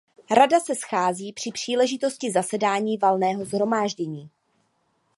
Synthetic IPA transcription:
ɾadasɛsxaːziːpr̝̥ɪpr̝̥iːlɛʒɪt̪o̞scɪzasɛdaːɲiːvalnɛːɦo̞zɦɾo̞maːʒɟɛɲiː

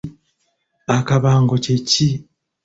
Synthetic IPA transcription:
akaβaːŋɡo̞ceci

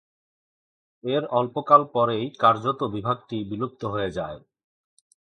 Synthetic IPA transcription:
eɾɔlpokalpɔɾejkaɾd͡ʑot̪obibʱaɡ̚ʈibilob̚t̪oɦojed͡ʑae

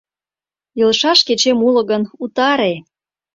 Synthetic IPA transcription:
jɤlʃɑʃket͡ɕemulɤ̆ɣənut̪ɑɾe

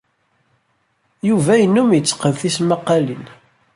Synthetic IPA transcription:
juvæjənːumjət͡sːə̥qəðθisməqːɑlin

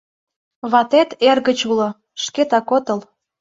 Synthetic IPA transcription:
βɑt̪et̪erɣət͡ɕulo | ʃket̪ɑkot̪əl

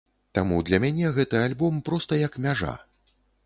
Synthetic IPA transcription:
t̪amud̪lʲɐmʲanʲɛɣɛt̪ɨalʲbɔmpɾɔst̪ɐjɐkmʲaʐa̰

